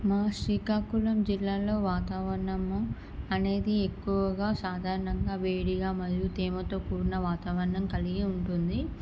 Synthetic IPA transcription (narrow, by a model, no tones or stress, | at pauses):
maːʂiːkaːkulɐmd͡ʒilːaːlo̞ːʋaːt̪aːʋɐɾɐɳɐm | ɐne̞ːd̪iekːuʋɐɡaːsaːd̪ʱaːɾɐɳɐŋɡaːʋeːɽiɡaːmɐd̪jut̪eːmɐt̪o̞ːkuːɾunɐʋaːt̪aːʋɐɾɐɳɐmkɐliɡiuɳʈund̪i